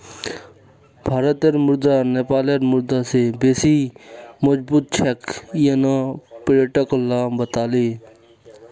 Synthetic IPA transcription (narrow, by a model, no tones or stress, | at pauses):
bʱaːɾət̪eɾmʊɾd̪aːneːpaːleɾmʊɾd̪aːseːbeːsiːmod͡ʒbuːt̪̚t͡ʃʰɛkjenãːpɾeʈəklːaːbət̪aːleː